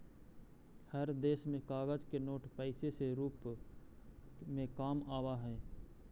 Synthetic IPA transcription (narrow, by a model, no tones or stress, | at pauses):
həɾd̪eːsmẽkaːɣəd͡ʒkenoːʈpɛɪseseɾuːp | mẽkaːmaːwaɦɛː